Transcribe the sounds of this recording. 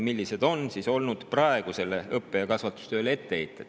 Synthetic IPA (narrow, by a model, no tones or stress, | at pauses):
milʲːise̞d̪o̞nsiːso̞lnud̪̥prɑe̞ɡ̥use̞le̞ɤpːe̞jɑkɑsvɑt̪ːˑu̥st̪ø̞ːlee̞t̪ːe̞ejt̪ːˑed̪̥